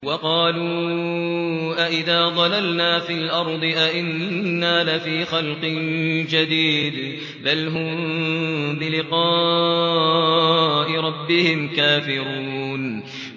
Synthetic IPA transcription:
wɑqɑːluː | ʔaʔɪðaːd̪ˤɑlalnaːfɪlʔɑɾˤd̪ˤɨʔaʔɪnːaːlɪfiːxalqɨnd͡ʒad̪iːd̪ | balɦʊmmbɪlɪqɑː | ʔɪɾˤɑbːɪhɪmkaːfɪɾuːn

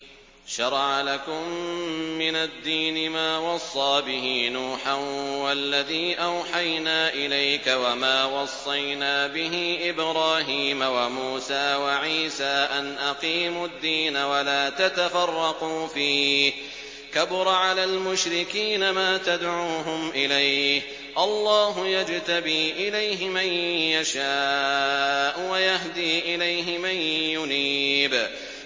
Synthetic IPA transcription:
ʃɑɾˤʕalakʊmː | ɪnad̪ːiːnɪmaːwɑsˤːɑːbɪɦinuːħawalːaðiːʔawħajnaːʔɪlajkawamaːwɑsˤːɑjnaːbɪɦɪʔɪbɾaːɦiːmawamuːsaːwaʕiːsaːʔanʔaqiːmʊd̪ːiːnawalaːt̪at̪afɑrˤːɑquːfiː | kabʊɾˤʕalaːlmʊʃɾɪkiːnamaːt̪ad̪ʕuːɦʊmʔɪlajh | ʔɑlˤːɑːɦʊjad͡ʒt̪abiːʔɪlajɦɪmanjaʃaː | ʔwajaɦd̪iːʔɪlajɦɪmanjʊniːb

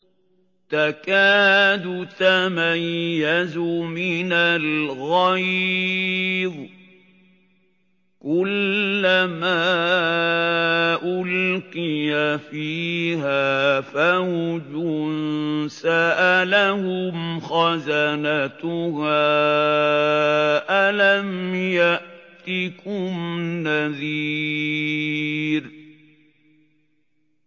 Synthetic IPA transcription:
t̪akaːd̪ʊt̪amajːazʊmɪnalɣaj | ðˤ | kʊlːamaː | ʔʊlqɪjafiːhaːfahʊd͡ʒʊnsaʔalahʊmxazanat̪ʊhaː | ʔalamjaʔt̪ɪkʊmnaðiː | ɾ

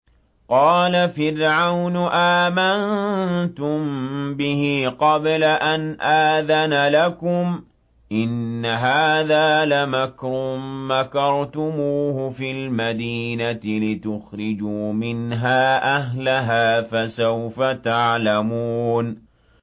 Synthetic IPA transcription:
qɑːlafɪɾʕawnʔaːmant̪ʊmbɪhɪqɑblaʔanʔaːðanalakʊm | ʔɪnːaɦaːðaːlamakɾʊmːakɑɾˤt̪ʊmuːhʊfiːlmad̪iːnat̪ɪlɪt̪ʊxɾɪd͡ʒuːmɪnɦaːʔaɦlaɦaːfasawfat̪aʕlamuːn

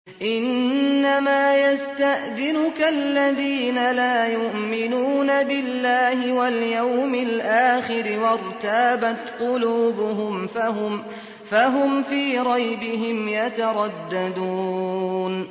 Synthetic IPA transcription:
ʔɪnːamaːjast̪aʔðɪnʊkalːaðiːnalaːjʊʔmɪnuːnabɪlːaːhɪwaljawmɪlʔaːxɪɾɪwɑɾˤt̪aːbat̪qʊluːbʊɦʊmm | faɦʊmfiːɾˤɑjbɪɦɪmjat̪aɾˤɑd̪ːad̪uːn

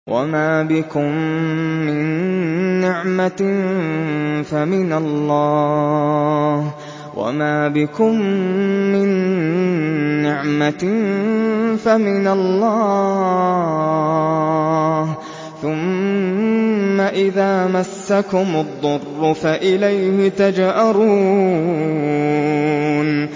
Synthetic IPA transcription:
wʔa̰maːbɪkʊmː | ɪnː | ɪʕma | famɪnalːɑː | h | wa̰maːbɪkʊmː | ɪn | ɪʕma | famɪnalːɑː | h | θʊm | aʔɪðaːmasːakʊmʊd̪ˤːʊrːʊfaʔɪlajhɪt̪ad͡ʒʔaɾˤuː | n

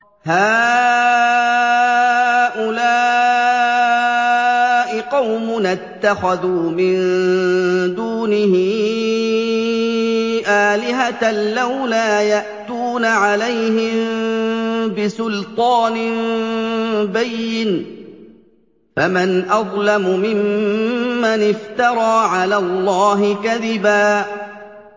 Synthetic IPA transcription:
haː | ʔʊlaː | ʔɪqɑwmʊnat̪ːaxaðuːmɪn | d̪uːnɪhɪ | ʔaːlɪɦat̪alawlaːjaʔt̪uːnaʕalajhɪm | bɪsʊlt̪ˤɑːnɪn | bajːɪn | famɪnʔɑðˤlamʊmɪmː | anɪft̪ɑɾˤɑːʕalaːlˤːɑːɦɪkaðɪbaː

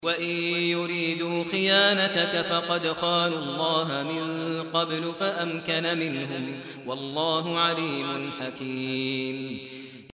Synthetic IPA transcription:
waʔɪjʊɾiːd̪uːxɪjaːnat̪akafɑqɑd̪qɑːnʊlˤːɑːɦamɪnqɑblʊfaʔamkanamɪnɦʊm | wɑlˤːɑːɦʊʕaliːmʊnħakiːm

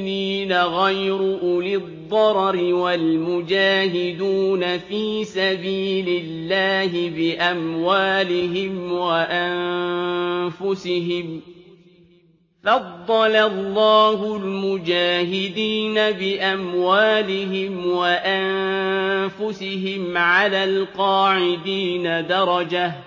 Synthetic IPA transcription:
liːnaɣajɾʊʔʊlɪðˤːɑɾˤɾɪwalmʊd͡ʒaːɦɪd̪uːnafiːsabiːlɪlːaːɦɪbɪʔamwaːlɪɦɪmwaʔan | fʊsɪɦɪm | fɑd̪ˤːɑlalːɑːɦʊlmʊd͡ʒaːɦɪd̪iːnabɪʔamwaːlɪɦɪmwaʔannfʊsɪɦɪmʕalaːlqɑːʕɪd̪iːnad̪ɑɾˤɑd͡ʒah

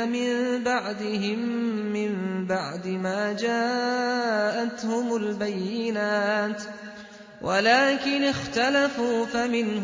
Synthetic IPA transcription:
mɪmbaʕd̪ɪɦɪmːɪmbaʕd̪ɪmaːd͡ʒaː | ʔat̪hʊmʊlbajːɪɪnaːt̪ | wʔalaːkɪnɪxt̪alafuːfamɪnh

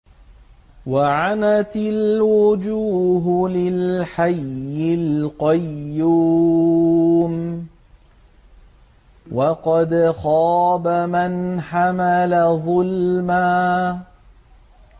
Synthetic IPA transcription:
waʕanat̪ɪlwʊd͡ʒuːɦlɪlħajːɪlqɑjːuː | m | wɑqɑd̪xɑːbamanħamalaðˤʊlmaː

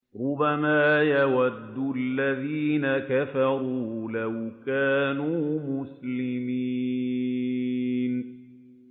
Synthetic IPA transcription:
ɾˤʊbːamaːjawad̪ːʊʔalːaðiːnakafɑɾuːlawkaːnuːmʊslɪmi | n

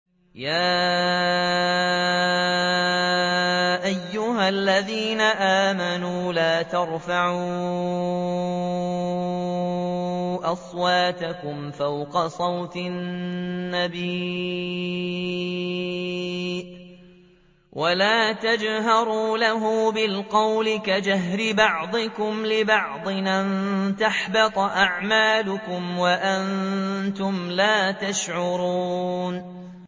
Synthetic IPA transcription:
jaː | ʔajːʊɦalːaðiːnaʔaːmanuːlaːt̪ɑɾˤfaʕuː | ʔɑsˤwɑːt̪akʊmfawqɑsˤɑwt̪ɪː | abiː | wʔalaːt̪ad͡ʒɦɑɾˤuːlaɦʊːbɪlqɑwlɪkad͡ʒaɦɾɪbɑʕd̪ˤɨkʊmlɪbɑʕd̪ˤɨʔant̪aħbɪt̪ˤʔaʕmaːlʊkʊmwaʔant̪ʊmlaːt̪aʃʕʊɾuːn

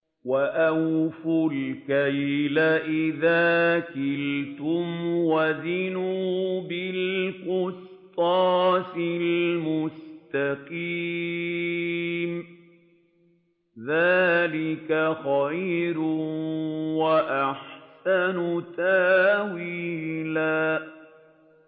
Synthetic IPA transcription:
waʔawfʊlkajlaʔɪðaːkɪlt̪ʊmwazɪnuːbɪlqʊst̪ˤɑːsɪlmʊst̪aqiː | m | ðaːlɪkaxajɾʊ | waʔaħsanʊt̪awiːlaː

